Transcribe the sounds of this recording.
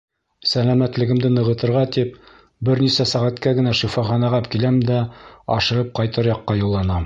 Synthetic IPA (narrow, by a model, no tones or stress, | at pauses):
sælæmæt̪lɘ̆ɡɘ̆md̪ɘnɤ̆ʁɤ̆t̪ɤ̆ɾʁɑt̪ip̚ | bɘɾnisæsæʁæt̪kæɡɘ̆næʃifɑχɑnɑʁɑpkilæmd̪æɒ̰ʃɤ̆ʁɤp̚qɑjt̪ɤ̆ɾjɑqːɑjŭlˠːɑnɑm